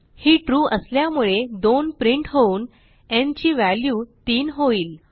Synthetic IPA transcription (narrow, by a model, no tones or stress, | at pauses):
hiːʈɾuːʔəsljamuɭed̪onpɾiɳʈɦouːn | ẽnt͡ɕiːʋæljuːt̪iːnɦoiːl